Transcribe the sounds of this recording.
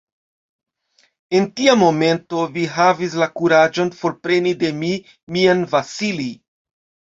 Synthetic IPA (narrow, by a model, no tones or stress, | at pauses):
e̞ntiamo̞me̞nto̞viɦavis̬lakuɾad͡ʒo̞nfo̞ɾpɾe̞nide̞mi | mianvasili